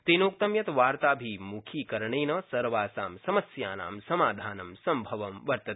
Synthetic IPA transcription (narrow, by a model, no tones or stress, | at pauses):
t̪inoːk̚t̪ɐmjɐt̪ʋaːɾt̪aːbʱimukʰiːkɐɾɐɳeːnɐsɐɾʋaːsaːmsɐmɐsjaːna̰ːmsɐmaːd̪ʱaːnɐmsɐmbʱɐʋɐmʋɐɾt̪ɐt̪